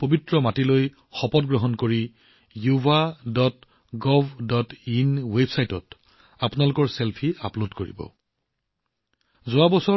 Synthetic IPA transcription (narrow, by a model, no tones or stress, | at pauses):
pobitɹɔmatiloj | xɔpɔtɡɹɔɦɔnkoɹi | jubadɔt | ɡɔvdɔtinwebsajtɔt | apʊnalʊkɔɹselpʰia̰plodkoɹḭbɔ̰ | zʊwabɔsɔ